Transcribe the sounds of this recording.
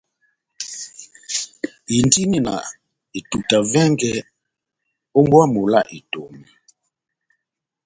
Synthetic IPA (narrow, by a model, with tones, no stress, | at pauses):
i˨n˦di˦ni˦˨na̰˨ | i˨tu˨ta˨vɛ˦ŋɡɛ˦ | o˦mbwa˦mo˨la̰˦˨ʔi˨to˨m˨